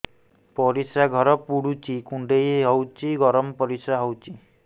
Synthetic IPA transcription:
pɔɾisɾaɡʱɔɾɔpuɽut͡ʃikuɳɖejeɦɔwt͡ʃiɡɔɾɔmɔpɔɾisɾaɦowt͡ʃʰi

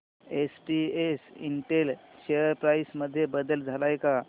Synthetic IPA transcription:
esʈiesiɳʈelɕejəɾpɾajsməd̪ʱːjebəd̪əld͡zʱalajka

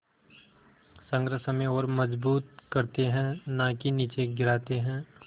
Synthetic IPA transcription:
sə̃ŋɡɾəsəmẽɔːɾmɐd͡ʒbuːt̪̚kɐɾt̪eɦɛ̃nakiniːt͡ʃeɡɪɾaːt̪eɦɛ̃ː

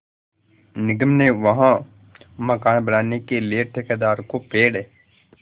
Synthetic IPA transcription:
nɪɡəmneʋɐɦã | mɐkaːnbɐnaːnekelieʈʰeked̪aːɾkopeːɽeː

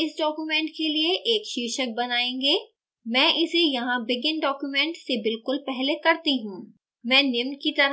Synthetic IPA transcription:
ɪsɖɔːkumɛ̃ːɳʈkelieʔeːkʃiːʃək̚bɐnaːẽːŋɡeː | mɛ̃ːʔɪsejɐɦãbɪɡɪ̃nɖɔːkjumɛ̃ːɳʈsebɪlkʊlpɛɦlekɐɾt̪iɦũː | mɛ̃ːnɪmnkit̪ɐɾ

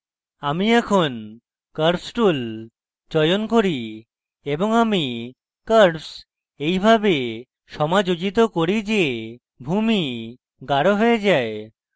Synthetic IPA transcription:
amiɛkʰon | kəɾsʈul | d͡ʑɔjonkoɾi | eboŋami | kəɾps | ejbʱabe | ʃɔmad͡ʑod͡ʑit̪okoɾid͡ʑe | bʱumi | ɡaɾoɦoed͡ʑae

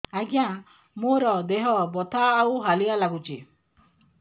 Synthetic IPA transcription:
aɡija | moɾɔd̪eɦɔbɔt̪ʰaːwɦalialaɡut͡ʃḭ

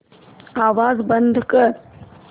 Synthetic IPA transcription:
aːʋaːzbənd̪ʱkə

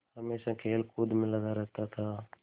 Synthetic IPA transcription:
həmeːʃãkʰeːlkʊd̪ʱmɪlad̪aɾəɦt̪at̪ʰaː

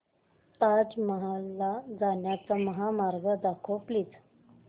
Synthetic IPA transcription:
t̪ad͡zməɦalːad͡zaɳjat͡saməɦamaɾɡəd̪akʰopliːd͡z

